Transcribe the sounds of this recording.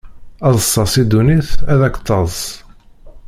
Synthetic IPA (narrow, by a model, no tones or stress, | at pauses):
ɑðˤəsˤːɑsid̪uniθæðækːt̪ˤːɑðˤ